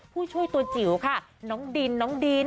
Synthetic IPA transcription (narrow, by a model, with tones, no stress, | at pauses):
pʰuː˥˩t͡ɕʰu˥˩əjt̪u˧ət͡ɕi˩˦wkʰa˥˩nɔː˦˥ŋdiː˧nːɔː˦˥ŋdiː˧